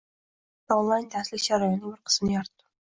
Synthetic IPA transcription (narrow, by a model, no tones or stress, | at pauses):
ɔnlˠɑjnt̪ʰɛsɪlɪkʲʃɑɾɔjɪnɨŋbɪɾqʰə̥smnɨjɑɾt̪ːu̥